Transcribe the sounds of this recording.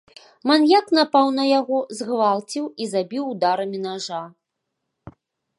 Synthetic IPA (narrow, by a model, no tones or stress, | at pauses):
manjakn̪apawnɐjaɣɔzɣvalˠt͡sʲiwizabʲiwd̪aɾɐmʲinaʐa